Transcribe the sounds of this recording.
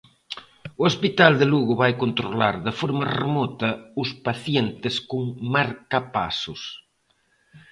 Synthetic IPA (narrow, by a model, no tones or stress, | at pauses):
oespit̪ald̪eluɣʊβajkont̪ɾola̰ɾðɪfoɾmɐremɔt̪ɐʊspaθjent̪ɪskuŋmaɾkapa̰sʊs